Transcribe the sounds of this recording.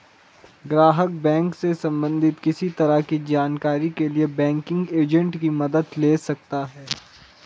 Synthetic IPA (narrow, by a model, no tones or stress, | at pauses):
ɡɾaːɦək̚bɛ̃ːŋksesɐ̃mbə̃nd̪ʱɪt̪kɪsit̪ɐɾakid͡ʒaːnkaːɾikeliebɛ̃ːŋkɪ̃ŋɡeːd͡ʒə̃ɳʈkimɐd̪əd̪leːsɐk̚t̪aɦɛː